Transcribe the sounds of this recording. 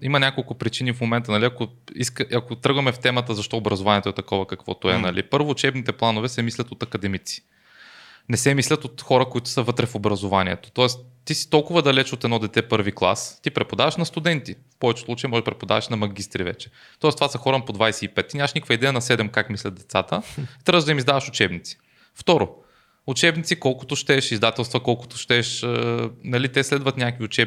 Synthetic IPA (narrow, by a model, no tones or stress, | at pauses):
imɐnʲakolˠkʊpɾit͡ʃinifmomɛnt̪ənɐlʲiɐkoḭskəʔɐkot̪ɾɤɡvɐmɛft̪ɛmət̪əzɐʃt̪ɔobɾɐzʊvanʲiɛt̪oɛt̪ɐkɔvɐkɐkvɔ̰t̪oɛnɐlḭpɤɾvʊːt͡ʃɛbnit̪ɛplˠanovɛsɛmislʲɐt̪ot̪ɐkɐd̪ɛmit̪si̥ | nɛsɛmislʲɐt̪ot̪xɔɾəkʊit̪ʊ̥səvɤt̪ɾɛfobɾɐzovaniɛ̰t̪o̥t̪ɔɛst̪ːisi̥t̪ɔlˠkʊvəd̪ɐlɛt͡ʃot̪ɛd̪nɔd̪ɛt̪ɛpɤɾviklˠa̰st̪ipɾɛpod̪avɐʃnɐst̪ʊd̪ɛnt̪ifpɔvɛt͡ʃɛ̥slˠut͡ʃɐjimɔʒɛpɾɛpod̪a̰vɐʃnɐmɐɡʲist̪ɾivɛ̰t͡ʃɛ̥ | t̪ɔɛst̪ovasɐxɔɾəpod̪vajsɛipɛt̪ːinʲamɐʃnikəkvəid̪ɛjənɐsɛd̪ɛmkakmislʲɐt̪̚d̪ɛt̪sat̪ət̪ɾəʒd̪ɐimizd̪avɐʃʊt͡ʃɛbnit̪si̥ | ft̪ɔɾʊ | ʊt͡ʃɛbnit̪sikɔlˠkʊ̥t̪ʊʃt̪ɛʃizd̪at̪ɛlˠst̪vɐkɔlˠkʊ̥t̪ʊ̥ʃt̪ɛʃ | nɐlit̪ɛslɛd̪vɐt̪nʲakəkviʊt͡ʃɛb